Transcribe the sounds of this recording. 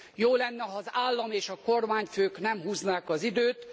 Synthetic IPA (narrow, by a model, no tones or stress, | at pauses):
joːlɛnːɛɦɒzaːlːɒmeːʃɒko̞rmaːɲføːknɛmɦuːznaːkɒzid̪øːt̪